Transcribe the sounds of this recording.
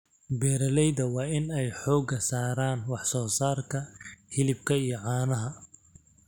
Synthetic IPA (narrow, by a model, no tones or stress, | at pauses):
bɛːɾɐlɛjðɐwɑːɪnɛjħɔːɡɐsaːɾaːnwɑħsɔːsaːrkʰɐhɪlɪb̚kʰɐijɞʕɑːnɐɦɐ